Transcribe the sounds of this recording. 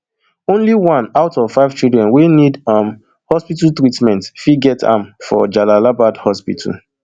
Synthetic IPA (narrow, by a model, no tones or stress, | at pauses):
õnliwãnaʊtɔv̥faɪv̥t͡ʃildɹɛ̃nwenidam | hɔspitaltɹitmɛ̃ntfiɡɛtʰã̰mfɔ̰d͡ʒalalabadhɔspḭtʰa̰l̩